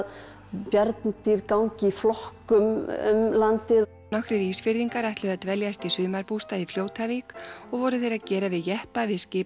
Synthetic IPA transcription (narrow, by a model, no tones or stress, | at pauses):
pjɛɾt̪nt̪iɾkawɲcɪiflɔhkʏmʏ̰mlant̪ɪ | nɔhkɾɪɾiːsfɪɾðiŋkaɾajht̪lʏðat̪vɛljast̪isʏːmaɾpuːst̪aifljoːwt̪ʰavikɔɣvɔɾʏθejɾaðcɛːɾavɪðjɛhpavɪðscɪː